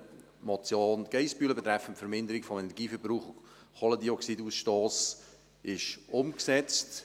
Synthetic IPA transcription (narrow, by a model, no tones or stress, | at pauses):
mɔt͡sjoːnɡ̥ɛɪspyːləbɛt̪ɾɛfəntfəɾmɪndəɾɪkfɔmɛnɛɾɡiːfəɾbɾuːχʊ | χɔlədiɔksidusʃtoːs | ʔɪʃʊmksɛt͡st